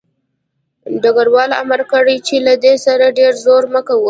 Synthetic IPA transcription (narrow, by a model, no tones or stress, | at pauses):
ɖaɡaɽwɑla̰maɾkəɽijt͡ʃelad̪esaɾaɖeɾzoɾməkawu